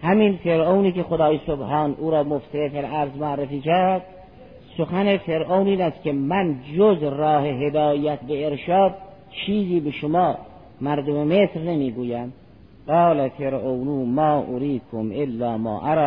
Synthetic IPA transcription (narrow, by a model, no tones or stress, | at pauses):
hæminfeɾʔowniːkexod̪ɑːjesobhɑːnʔuːɾɒːmofselefelʔæɾzmoærːefiːkʰæɾd̪̚ | soxænefeɾʔowniːnæskʲʰemænd͡ʒozrɒːɦeɦed̪ɒːjæt̪̚beeɾʃɑːd̪̚ | t͡ʃʰiːziːbeʃomɒː | mæɾd̪omemesɾnemiːɡuːjæm | ɢɑːlæfeɾʔownuːmɑːʔʊɾiːkʰomʔelːɑːmɑ̰ːʔæɾɑː